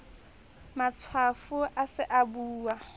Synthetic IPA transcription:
mat͡sʰwafʊʔasɪʔabuːwa

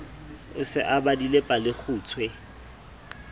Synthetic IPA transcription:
ʊsɪ̰ʔabadilepʼalɪk͡xʰuːt͡sʰwɛ

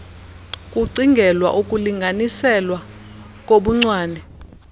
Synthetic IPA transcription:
kʼuǀiŋɡʱɛlwa̰ʔukʼuliŋɡʱanisɛlwa | k̬ʼoɓuŋ͡ǀwaːnɛ

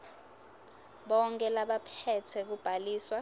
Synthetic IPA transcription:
ɓɔŋkʼɛlaɓapʰɛtʰɛk̬ub̥ʱaliːswa

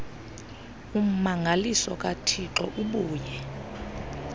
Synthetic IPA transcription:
um̩maŋʱalisɔk̬ʼatʰiǁɔʔuɓuːjɛ

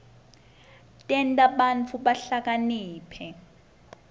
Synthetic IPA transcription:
tʼɛntʼaɓant͡fʰuɓaɬak̬aniːpʰɛ

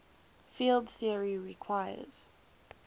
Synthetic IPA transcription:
filˠdθiəɹiɹikʰw̥aɪə̰z̥

